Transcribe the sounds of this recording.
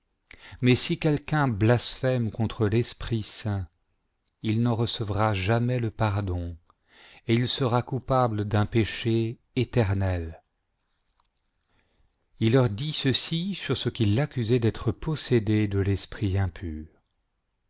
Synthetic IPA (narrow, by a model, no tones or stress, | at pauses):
mɛsikʲɛlkʲɛ̃blasfɛmkɔ̃t̪χəlɛspχisɛ̃ | ilnɑ̃ʁəsəvʁaʒamɛləpaʁd̪ɔ̃ | eilsəʁakupabləd̪ɛ̃peʃeː | t̪ɛʁnɛl | ilːœʁd̪isəsisyʁsəkʲilːakʲyzɛd̪ɛt̪χəpɔsed̪ed̪əlɛspχiɛ̃pʰyːʁ